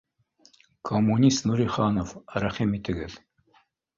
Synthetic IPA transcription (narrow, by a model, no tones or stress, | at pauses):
kʰomunist̪nuɾiχaːnofɾaχimit̪ʰɘɡɘ̰ɮ